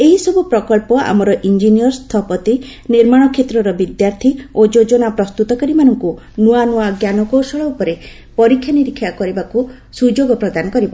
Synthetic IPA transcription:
eɦisɔbupɾɔkɔɭpɔa̰mɔɾɔʔind͡ʒiniɔɾst̪ʰɔpɔt̪i | niɾmaɽ̃ɔkʰet̪ɾɔɾɔbid̪jaɾt̪ʰiod͡ʒod͡ʒɔnapɾɔst̪ut̪ɔkaɾimanɔŋku | nuanuaɡjanɔkosɔɭɔupɔɾe | pɔɾikʰjaniɾikʰːjakɔɾibaku | sud͡ʒoɡɔpɾɔd̪anɔkɔɾibɔ

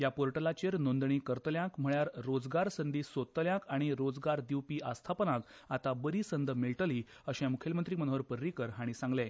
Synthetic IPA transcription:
japoɾʈəlat͡ɕeɾnond̪ɳ̃iːkəɾt̪ljãkm̤əɭjaɾːod͡zɡaɾsənd̪iːsot̪ːljãkaɽ̃iɾod͡zɡaɾd̪iwpiːʔast̪ʰapənãk | at̪abəɾiːsənd̪miɭʈəliː | əɕɛ̃mukʰelmənt̪ɾimənoʋəɾpəɾːikəɾɦaɽ̃isãŋɡlẽ

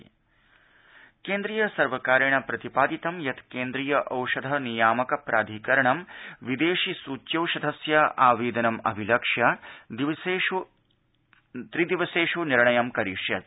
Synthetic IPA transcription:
keːnd̪ɾijɐsɐɾʋɐkaːɾɐɳɐpɾɐt̪ipaːd̪it̪ɐmjɐt̪keːnd̪ɾijɐʔɐwʂɐd̪ʱɐnijaːmɐkɐpɾʔaːd̪ʱikɐɾɐɳɐmʋid̪eːʃisuːt͡ʃjɐwʃɐd̪ʱɐsjɐʔaːʋiːd̪ɐnɐmɐ̰bʱilɐkʂjɐ | eːu | t̪ɾid̪iʋɐseːʂuniɾɳɐjɐmkɐɾiːʂjɐt̪̚

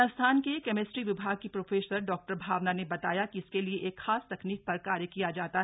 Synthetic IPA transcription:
əst̪ʰaːnkekɛmɪʈɾiʋɪbʱaːɡ̚kipɾoːfeːsəɾɖɔːk̚ʈəɾbʱaːʋnanebɐt̪aːjakiɪskelieʔeːkxaːst̪ɐkniːk̚pɐɾkaːɾjəkijad͡ʒaːt̪a

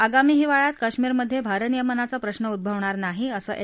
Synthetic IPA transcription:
aɡamiːɦiʋaɭat̪̚kəɕmiːɾməd̪ʱːjebʱaɾənijəmənat͡sapɾəɕnəud̪̚bʱəʋɳaɾnaɦiəsəːʔe

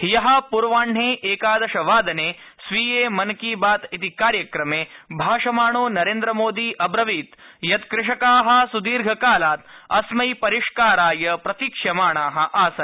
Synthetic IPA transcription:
hijɐɦɐpuɾʋaːɳ̤eːʔeːkaːd̪ɐʃɐʋaːd̪ɐneː | sʋiːjeːmɐnkiːbaːt̪it̪ikaːɾjɐkɾɐmeːbʱaːʂɐmaːɳoːnɐɾeːnd̪ɾɐmoːd̪iːʔɐbɾɐʋiːt̪jɐt̪kɾɪʂɐkaːɦɐ̆sud̪iːɾɡʱɐkaːlaːt̪ɐsmɐjpɐɾiʂkaːɾaːjɐpɾɐt̪ikʂjɐmaːɳaːɦɐ̆ʔaːsɐn

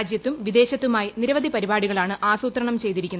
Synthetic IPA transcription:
d͡ʑjɐt̪ːumʋid̪e̞ːɕɐt̪ːumaːjiniɾɐʋɐd̪ʱipɐɾibaːɽuɣɐɭaːɳɨʔaːsuːt̪rɐɳɐmt͡ɕe̞jt̪iɾikʲːunː

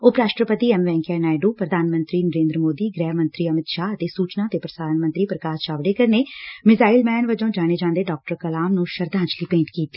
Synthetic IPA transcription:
oːpɾaːʃʈɾəpət̪iːɛːmʋɛ̃ːŋkɛːnaːɪɖuːpɾəd̪ʱaːnmə̃nt̪ɾiːnəɾẽːnd̪ɾəmoːd̪iːɡɾɛːmə̃nt̪ɾiːəmɪt̪ʃaːət̪eːsuːt͡ʃnaːt̪eːpɾəsaːnmənt̪ɾiːpɾəkaːsʃaːʋɽeːkəɾneːmɪzaːilmɛːnʋəd͡ʒõːd͡ʒaːɽ̃eːd͡ʒãːnd̪eːɖɔːk̚ʈəɾkəlaːmnũːʃəɾd̪ʱãːɲt͡ʃliːpẽːɳʈkiːt̪ːiː

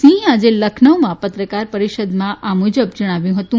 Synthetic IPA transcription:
sĩɦad͡zeləkʰnəʋmãpət̪ɾəkaɾpəɾiʃəd̪mãʔamud͡ʑəb̚d͡ʒəɽ̃aʋjũɦət̪ũ

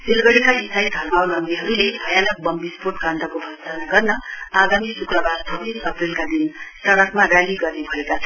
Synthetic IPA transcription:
silɡʌɽikaitajd̪ʱʌrmawlʌŋɡ̪iɦʌɾuleɦajanʌk̚bʌmbisporʈkand̪ʱʌkobʱʌd̪anaɡʌrnʌaɡamisukɾʌbaɾt͡sʰʌbisʌprilkad̪insʌɽʌkmaɾaliɡʌrnebʱʌekat͡sʰ

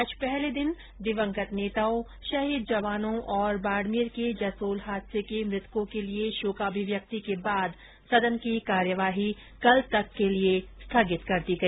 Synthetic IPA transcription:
əd͡ʒpɛɦled̪ɪn | d̪ɪʋə̃ŋkət̪neːt̪aːo | ʃɐɦid̪̚d͡ʒɐʋaːnõʔɔːɾbaːɽmiɾked͡ʒɐsoːlɦaːd̪sekemɾɪt̪kõkelieʃoːkaːbʱiʋjɐk̚t̪ikebaːd̪ | sɐd̪ənkikaːɾjəʋaːɦi | kɐlt̪ɐkːeliest̪ʰaːɡɪt̪kɐɾt̪iɡɐiː

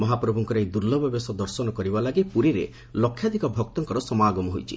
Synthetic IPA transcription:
mɔɦapɾɔbʱuŋkɔɾejd̪uɾlɔbɔbesɔd̪ɔɾsɔnɔkɔɾibalaɡipuɾiɾe | lɔkʰːjad̪ʱikɔbʱɔk̚t̪ɔŋkɔɾɔsɔmaːɡɔmɔɦojt͡ʃʰḭ

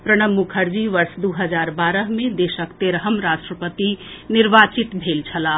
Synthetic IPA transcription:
pɾəɽ̃əmːukʰəɾd͡ʒiʋəɾsd̪uɦəd͡ʒaɾbaɾəɦmed̪esəkt̪eɾəɦəmɾaʃʈɾəpət̪iniɾbat͡ʃit̪bʱelt͡ʃʰəla

